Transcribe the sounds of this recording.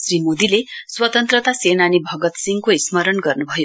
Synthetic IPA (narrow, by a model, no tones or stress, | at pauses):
sɾimod̪ileswət̪ənt̪ɾət̪asenanibʱʌɡət̪siŋɡkoisməɾəɳɡəɾnubʱəjo